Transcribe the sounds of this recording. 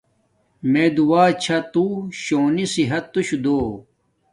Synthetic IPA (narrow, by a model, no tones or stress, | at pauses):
meːd̪uwaːt͡ɕʰɐt̪uɕoːnisiɦɐt̪ːuɕud̪oː